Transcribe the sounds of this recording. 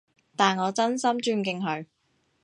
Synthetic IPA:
t̪aː˨˩nŋɔː˨˧t͡sɐ˥nsɐ˥mt͡ʃyː˧nkɪ˧ŋɦɵ˨˧ɥ

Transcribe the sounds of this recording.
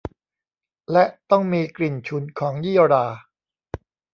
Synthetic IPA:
lɛ˦˥ʔt̪ɔ˥˩ŋmiː˧kli˨˩nt͡ɕʰu˩˦nkʰɔː˩˦ŋjiː˥˩˨ɾaː˧

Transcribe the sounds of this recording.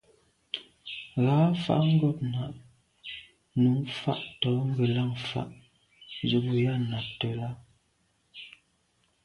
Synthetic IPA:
ɣaː˨˦fa̰˦ʔŋ̩˦ɡo˦˨p̚na˨ʔ | nu˨˦mfa̰˦ʔtɔ˨˦ŋ̩˦ɡə˨la˦˨ŋfa̰˦˨ʔ | d͡ʒə˨bu˨ja˦na˨tə˨la˦

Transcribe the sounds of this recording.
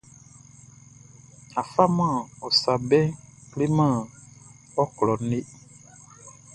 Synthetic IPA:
a˨fa˦mã˦˨ɔ˨sa˨bɛ̃˦kle˦mã˦˨ | ɔ˦klɔ˨ne˦

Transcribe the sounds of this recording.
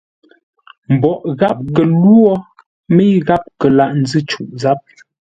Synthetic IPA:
m̩˨bɔ˨ʔɣa˦p̚ɣə˨lu˦ɔ˦ | me˦ɣa˦p̚kə˨la˨ʔn̩˨˦zɨ˦t͡ʃu˨ʔza˨˦p̚

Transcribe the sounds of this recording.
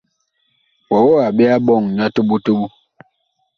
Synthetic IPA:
wa˨wɔ˦a˨ɓɛ˦a˦ɓɔ˦˨ŋ˨ɲa˦tu˦ɓu˦tu˦ɓu˦

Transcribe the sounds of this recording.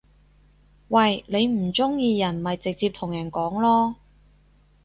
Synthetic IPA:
wɐ˨jle˨˧jm̩˨˩t͡sʊ˥ŋjiː˧jɐ˨˩nmɐ˨jt͡sɪ˨k̚t͡siː˧p̚t̪ʰʊ˨˩ŋjɐ˨˩nkɔː˨˥ŋlɔː˥

